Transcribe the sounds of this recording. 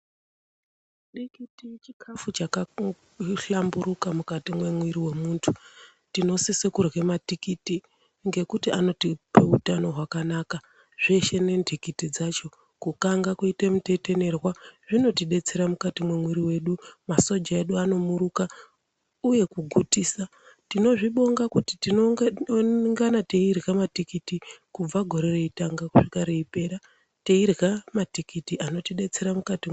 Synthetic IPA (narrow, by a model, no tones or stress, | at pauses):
ɗikitijet͡ʃikʰafut͡ʃaka | ɬambuɾukamukatimwe̞mwiɾiwe̞muːntʰu | tino̞sisekurwematikiti | ŋɡe̞kutiano̞tipeutano̞ɦwakanaka | ʐ̥eʃe̞ne̞ndʱikitid͡zat͡ʃo̞ | kukaŋɡakuitemute̞te̞ne̞rwaʐino̞tiɗe̞t͡se̞ɾamukatimwemwiɾiwe̞ɗumaso̞d͡ʒae̞ɗuano̞muɾuka | uje̞kuɡʱutiːsa | tino̞ʐiɓo̞ŋɡakuti̥tinooŋɡanate̞irɣamatikitikub͡vaɡʱo̞ɾe̞reitaŋɡakuʂikaɾeipe̞ɾa | te̞irɣamatikitiʔano̞tiɗe̞t͡se̞ɾamukati